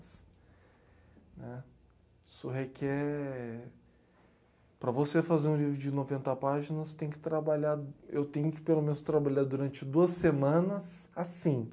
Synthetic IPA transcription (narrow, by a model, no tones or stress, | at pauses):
s | nɛ | isʊɦekʰɛɾɛ | pɾɐvosefazeɾũlivɾʊd͡ʒɪnovẽnt̪ɐpaʒinɐst̪ẽj̃kɪ̥t̪ɾabaʎaɾewt̪ẽj̃ʊkɪ̥pelomẽnʊst̪ɾabaʎaɾd̪uɾɐ̃nt͡ʃɪd̪uɐsemɐ̃nɐsasĩ